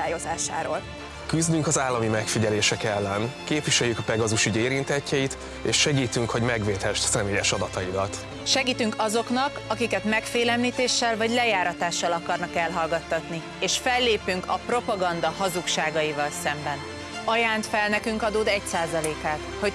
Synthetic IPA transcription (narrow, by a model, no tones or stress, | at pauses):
aːjozaːʃa̰ːɾoːl | kyzd̪yŋkɒzaːlːɒmimɛkfiɟɛleːʃɛkɛlːɛnkeːpʋiʃɛjːykɒpɛɡɒzuʃyɟeːɾint̪ɛcːɛjit̪ | ḛːʃːɛɡiːt̪yŋkho̞ɟmɛɡʋeːt̪hɛʃsɛmeːjɛʃɒd̪ɒt̪ɒid̪ɒt̪ | ʃɛɡiːt̪yŋkɒzo̞knɒkɒkikɛt̪mɛkfeːlɛmliːt̪eːʃːɛlvɒɟlɛjaːɾɒt̪aːʃːɒlɒkɒrnɒkɛlɦɒlɡɒt̪ːɒt̪ni | eːʃfɛlːeːpyŋkʰɒpro̞pɒɡɒnd̪ɒhɒzukʃaːɡɒjivɒlsɛmbɛn | ɒjaːnt̪fɛlnɛkyŋkɒd̪oːd̪ɛcsaːzɒleːkaːt̪ho̞